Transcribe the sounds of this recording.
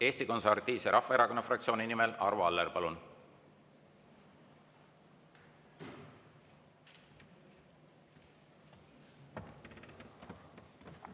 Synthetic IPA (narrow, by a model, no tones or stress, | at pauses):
e̞ːst̪iko̞nsɑɾt̪iːseɾɑhfːɑe̞ɾɑko̞nːɑfrɑk̚tsio̞ːninimelɑ̰ɾvuɑlːerpɑlun